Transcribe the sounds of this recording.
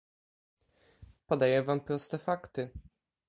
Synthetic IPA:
pɔd̪ajɛvampɾɔst̪ɛfakt̪ɘ

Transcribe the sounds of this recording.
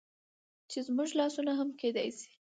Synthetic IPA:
t͡ʃezmuʒlɑsunaɦamked̪ɑ̰jsi̥

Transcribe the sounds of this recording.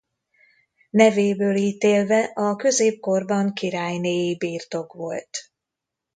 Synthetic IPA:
nɛveːbøːliːt̪eːlvɛʔɒkø̞zeːp̚ko̞rbɒŋkiɾaːjneːjibiːrt̪o̞kʋo̞lt̪

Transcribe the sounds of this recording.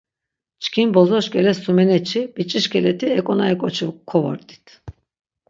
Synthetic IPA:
t͡ʃkʰinbɔzɔʃkʲɛlɛsumɛnɛt͡ʃʰib̥it͡ʃʼiʃkʰɛlɛt̪ʰiɛkʼɔnaikʼɔt͡ʃʰukʰɔvɔ̰ɾt̪ʼi̥t̪ʰ

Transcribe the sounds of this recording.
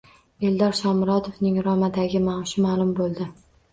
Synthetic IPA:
e̞ld̪ɒɾʃɒmɾɒt̪ʰofnɪŋɾɒmad̪aɡʲɪmawʃɪmaːlˠʊmbolˠd̪ɪ

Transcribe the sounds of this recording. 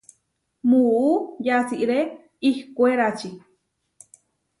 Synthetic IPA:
muujat͡siʔɾe | ihkʷeɾat͡ʃi

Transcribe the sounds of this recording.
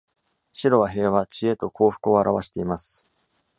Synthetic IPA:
ɕiɾo̞βaɦe̞ːβat͡ɕie̞t̪o̞kʰo̞ːɸɯ̟̥kɯo̞aɾaβaɕi̥t̪e̞imasɨ̥

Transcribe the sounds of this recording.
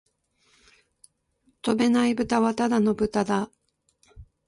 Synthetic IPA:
t̪o̞be̞naibɯ̟t̪aβat̪ad̪ano̞bɯ̟t̪ad̪a

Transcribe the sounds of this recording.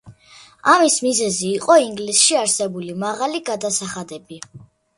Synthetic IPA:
amismizɛziːqʼɔiŋɡlisʃiaɾsɛbulimaʁaliɡad̪asaχad̪ɛbi

